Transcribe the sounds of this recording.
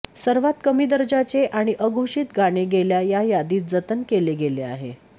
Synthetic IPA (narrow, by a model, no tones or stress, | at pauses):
səɾʋat̪kəmiːd̪əɾd͡ʑat͡seʔaɽ̃iʔəɡʱoʂiːt̪ɡaɽ̃eɡeljajajad̪iːt̪̚d͡zət̪ənkeleɡelea̰ɦe